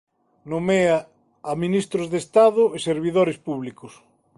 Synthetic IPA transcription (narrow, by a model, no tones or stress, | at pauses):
nomea | aminist̪ɾozðest̪aðʊeseɾβiðoɾespuβlikʊs